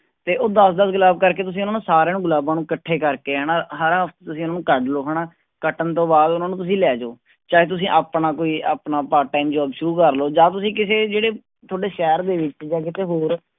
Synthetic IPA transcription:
t̪eːʔoːd̪əsd̪əsɡʊlaːb̚kəɾkeːt̪ʊs̬ĩːʊnaːnũːsaːɾeːnũːɡʊlaːbãːnũːkəʈʰːeːkəɾkeːɛːnaːɦəɾɦəpʰt̪t̪ʊsĩːʊnaːnũːkəɖloːɦəɽaː | kəʈənt̪õːbaːd̪ʊnaːnũːt̪ʊs̬ĩːlɛːd͡ʒoː | t͡ʃaːeːt̪̬ʊs̬ĩːʔaːpnaːkoːiːaːpnaːpaːɾʈːaːimd͡ʒɔːbʃəɾuːkəɾloːd͡ʒãːt̪ʊsĩːk̬ɪseːd͡ʒeːɽeː | t̪ʰoːɽeːʃɛːɾd̪eːʋɪt͡ʃd͡ʒãːk̬ɪt̪eːɦoːɾ

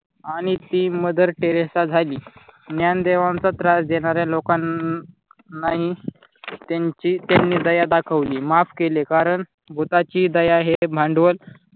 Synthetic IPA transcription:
aɽ̃it̪iːməd̪ʱəɾʈeɾesad͡zʱaliːnjand̪eʋãnt͡sat̪ɾasd͡ʑ̪eɽ̃aɾjalokanː | aɦi | t̪at͡ɕit̪janːiːd̪əjad̪akʰəʋliːmafkelekaɾəɳ | bʱut̪at͡ɕiːd̪əjaɦebʱãɳɖʋəl

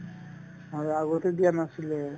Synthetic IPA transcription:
ɦɔjaɡɔt̪ed̪ijanasilɛ

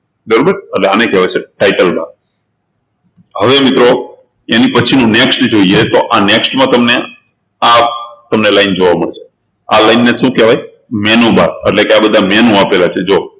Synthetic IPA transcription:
d̪əɾubəɾəʈleanekɛʋat͡ʃʰeʈajʈəlba̰ɾ | həʋemɪt̪ɾo | enipət͡ʃʰinũneksʈd͡ʒoiet̪oʔaneksʈmãt̪əmne | at̪əmnelaind͡ʒoʋaməɭeʃʰe̥ | a̰lainːeʃũkeʋaj | mɛnũba̰ɾḛʈlekeabəd̪ʱamɛnũapelat͡ʃʰed͡ʒo

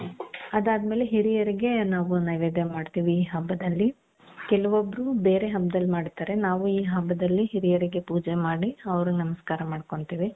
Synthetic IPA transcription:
ɐd̪aːd̪me̞ːle̞ɦiɾijɐɾiɡe̞naːʋunɐjʋeːd̪jɐmaːɖt̪iːʋiːɦɐbːɐd̪ɐlːi | kɛlɐʋobːɐɾube̞ːɾe̞ɦɐbːɐd̪ɐlːmaːɽit̪aːɾe̞naːʋuiːɦɐbːɐd̪ɐlːiɦiɾijɐɾiɡe̞puːd͡ʒemaːɽiɐʋɐɾunɐmɐskaːɾɐmaːɽko̞ɳt̪iːʋi

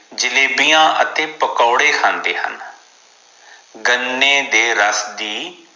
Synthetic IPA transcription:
d͡ʒɪleːbijãːʔət̪eːpəkɔːɽeːkʰãːnd̪eːɦə̰n | ɡənːeːd̪eːɾəsd̪iː

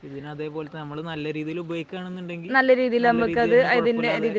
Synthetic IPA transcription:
iðinɐðe̞ːpo̞ːlet̪ːenɐmːɐɭenɐlːɐɾiːðijilubɐjkːaːɳenːuɳɖe̞ŋɡinɐlːɐɾiːðijilɐmbɐkːɐðɨɐɐðindeɐðiːði

